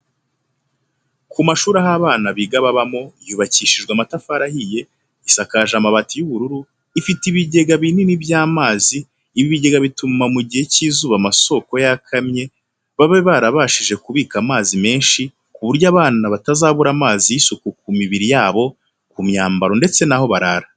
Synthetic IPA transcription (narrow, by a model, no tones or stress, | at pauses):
kumaʃuːɾaɦaːβaːnaβiɡaβaβamo̞ijuβaciːʃiʒɡwamatafaɾahije̞ | isakaʒamaβatijuβuɾuɾu | ifitiβiɟe̞ɡaβininibjaːmaːziː | βiβiɟe̞ɡaβitumamuɟihe̞ciːzuβamaso̞ko̞jakʰamɲe̞ | βaβeβaɾaβaʃiʒe̞kuβiːkamaːzime̞ːnʃi | kuβuɾjaːβaːnaβatazaːβuɾamaːzijisukukumiβiɾijaːβo̞ | kumɲaːmbaɾo̞nde̞t͡se̞naho̞βaɾaɾa